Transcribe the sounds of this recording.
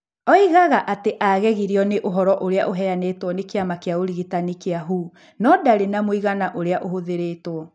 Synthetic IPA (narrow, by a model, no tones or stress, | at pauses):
ɔiɣaɣaʔateʔaɣɛɣiɾiɔneʔoɦɔɾɔʔoɾea̰ʔoɦɛaneːtwɔnekeamakeaoɾiɣitanikeaɦuː | nɔdaɾenamoiɣanaʔoɾeaʔoɦoðeɾeːtwɔ